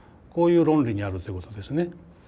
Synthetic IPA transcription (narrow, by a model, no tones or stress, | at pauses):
koːjɯːɾõnɾiɲiaɾɯt̪ojikot̪od̪e̞sɨne